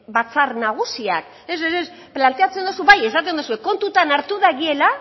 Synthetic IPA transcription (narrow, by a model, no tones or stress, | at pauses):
bat͡sarnaɣ̞usia̰k | eseɾes | plant̪e̞at͡se̞nd̪osubaje̞sat̪̬end̪usue̞ko̞nt̪ut̪anaɾt̪uðaɣie̞la